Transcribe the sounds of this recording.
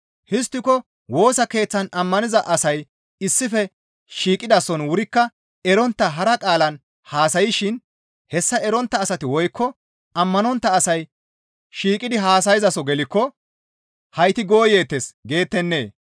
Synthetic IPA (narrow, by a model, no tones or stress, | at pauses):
hɪs̬t̪ːɪkɔ | wo̞ːsɐke̞ːt͡sːɐnɐmːɐnɪzɐʔɐsɐj | ɪsːɪfɛ | ʃiːkʼɪd̪ɐsɔnwʊɾɪkːɐ | ɛɾɔnt̪ːɐɦɐɾɐkʼaːlɐn | haːsɐjɪʃɪn | hɛsːɐɛɾɔnt̪ːɐːsɐt̪ɪwɔjkːɔ | ɐmːɐnɔnt̪ːɐːsɐj | ʃiːkʼɪd̪ɪɦaːs̬ɐjɪzɐsɔɡɛlɪkːɔ | hɐjt̪ɪɡo̞ːje̞ːt̪ːesɡe̞ːt̪ːɛnːe̞̰ː